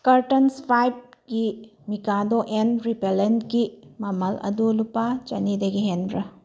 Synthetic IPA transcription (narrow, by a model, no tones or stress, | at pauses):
kɐɾtɐnspʰajb̚ɡimikadoʔenɾipelentɡimɐmɐlɐ̰dulupat͡ʃɐnidɐɡiɦenbɾɐ